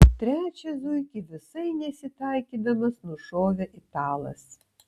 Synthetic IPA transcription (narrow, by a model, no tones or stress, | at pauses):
t̪ʲɾʲæːt͡ʃʲɛzʊɪkʲiʋʲɪsɐɪnʲɛsʲɪt̪ɑˑɪkʲiːd̪ɐmɐsnʊʃoːʋʲɛʔɪt̪ɑːlˠɐ̰s